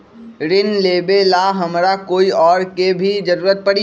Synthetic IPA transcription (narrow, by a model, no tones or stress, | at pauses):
ɾɪnleːbelaɦɐmɾakoːiɔːɾkebʱid͡ʒɐɾuːɾət̪̚pɐɽi